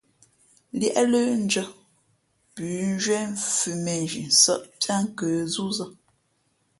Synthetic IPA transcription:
ljɛ̰˦ʔlə˦n̩˦d͡ʒə˦ | pʉː˨˦n˦d͡ʒɥwɛ˦ɱ̩fʉ˨me˨ʒḭ˨n̩˨sə̰˦ʔta˦ŋ˦kə˨˦zu˦zə˦

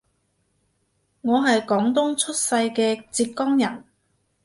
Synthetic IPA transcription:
ŋɔː˨˧ɦɐ˨jkɔː˨˥ŋt̪ʊ˥ŋt͡ʃʰɵ˥t̚sɐ˧jkɛː˧t͡siː˧p̚kɔː˥ŋjɐ˨˩n

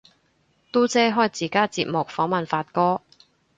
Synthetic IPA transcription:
t̪o˥t͡sɛː˥ɦɔː˥jt͡siː˨˩kaː˥t͡siː˧p̚mʊ˨k̚fɔː˨˥ŋmɐ˨nfaː˧t̚kɔː˥

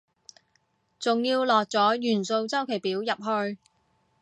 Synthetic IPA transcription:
t͡sʊ˨ŋjiː˧wlɔː˨k̚t͡sɔː˨˥jyː˨˩nso˧wt͡sɐ˥wkʰe˨˩piː˨˥wjɐ˨p̚ɦɵ˧ɥ

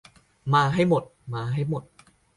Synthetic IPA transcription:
maː˧ɦa˥˩jmo˨˩t̪̚maː˧ɦa˥˩jmo˨˩t̪̚

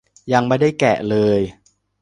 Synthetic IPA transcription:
ja˧ŋmaː˥˩jda˥˩jkɛ˨˩ʔlɤː˧j

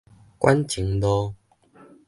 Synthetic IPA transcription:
kwʔa˦nt͡ɕi˨˦ŋlɔ˧

